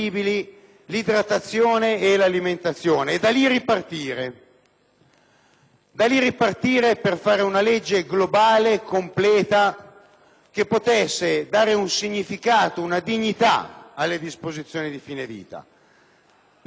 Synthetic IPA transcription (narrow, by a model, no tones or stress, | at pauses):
iːbili | lid̪ɾat̪ːat̪sːjoːneːlaliment̪at̪sːjoːneːd̪aliripart̪iːɾe | d̪aliripart̪iːɾeperfaːɾeunaled͡ʒːeɡlobaːlekomplɛːt̪a | k̟epːot̪ɛsːed̪aːɾeunsiɲːifikaːt̪ounad̪iɲːit̪a̰alːed̪ispozit̪sːjoːnid̪ifiːnevḭːt̪a̰